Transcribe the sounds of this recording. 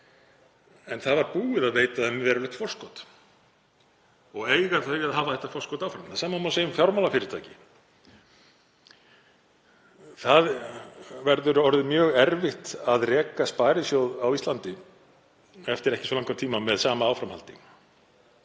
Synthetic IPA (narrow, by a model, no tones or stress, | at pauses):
ɛnθaðvaɾpuːɪðaðveːjt̪aðɛnmːɪvɛːɾalœht̪fɔr̥skɔt̪ | ɔɣeːjɣaθœaðɦaːvaθɛht̪afɔrskɔt̪aːwfɾamθaðsaːmamaseːjʏmfjawɾmalafɪɾɪɾt̪ʰa̰ːjcɪ | θað | vɛɾðʏɾɔɾðɪmjœːɣɛɾvɪht̪aðrɛːkaspaːjɾɪsjowðawist̪lant̪ɪ | ɛft̪ɪɾɛhcɪsvɔlaŋkat̪ʰiːmamɛðsaːmaaːwfɾamhalt̪ɪŋ